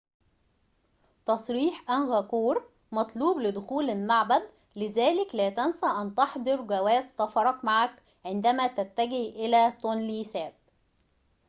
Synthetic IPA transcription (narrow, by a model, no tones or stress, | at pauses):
t̪ɑsˤɾiːħʔænɣækuːɾ | mɑt̪ˤluːblɪd̪ʊxuːlɪlmaʕbæd̪ | lɪzæːlɪklæːt̪ænsæʔænt̪ɑħd̪ˤɨɾˤɡæwæːzsɑfɑɾˤɑkmaʕak | ʕɪnd̪æmæt̪æt̪ːæɡɪhʔɪlæːt̪onlisæːb̚